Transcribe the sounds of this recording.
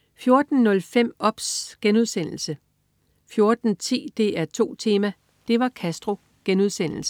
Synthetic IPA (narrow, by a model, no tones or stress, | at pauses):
fjo̝ɐd̥n̩nɔ̽lfem̰ɒ̽b̥sɡ̥enuð̞ˠsen̰l̩sə | fjo̝ɐd̥n̩t͡sʰḭːd̥e̝̰ːæɐt͡sʰo̝̰ːt͡sʰe̝ːmæ | d̥e̝ʋɑ̈kʰæsd̥ʁo̝ | ɡ̥enuð̞ˠsen̰l̩sə